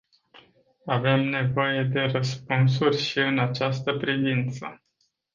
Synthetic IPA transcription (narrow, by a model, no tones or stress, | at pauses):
ave̞mne̞vo̞je̞d̪e̞rəspuns̬urʲʃiɨnat͡ʃast̪əpɾivint̪sə̰